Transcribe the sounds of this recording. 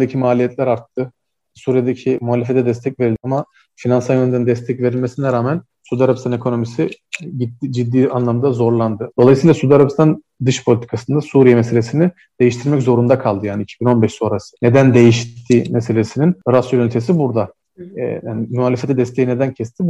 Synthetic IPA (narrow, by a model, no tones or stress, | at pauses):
d̪ecʰimaːlʲijɛt̪lʲæɾaɾt̪ʰːɯ | suːɾijed̪ecʰimuɦaːlʲefet̪ʰɛd̪ɛst̪ʰɛcve̞ɾilʲd̪iama | finansajønd̪ænnd̪ɛst̪ʰɛcve̞ɾilʲmesinɛɾaːmæn | sud̪aɾabpst̪ʰane̞kʰo̞no̞misiɟit̪ːid͡ʒid̪ːiːanlˠamd̪azo̞ɾlˠand̪ɯd̪oajɯsɯjlˠasud̪aɾapst̪ʰan | d̪ɯʃpʰolʲit̪i̥kʰasɯnd̪asuːɾijɛmese̞lʲesini | d̪̥ejiʃt̪ʰiɾmɛczo̞ɾund̪akʰalˠd̪ɯjaːniːcʰibino̞nbɛʃso̞ːɾasɯ̥ne̞d̪ænd̪e̞jiʃt̪ʰːiːmese̞lʲesininɾasyɾynt̪ʰe̞s̬ibuɾd̪a̰ | jaːnɪmuɦaːlʲefet̪ʰɛd̪ɛst̪ʰeined̪æncʰɛst̪ʰib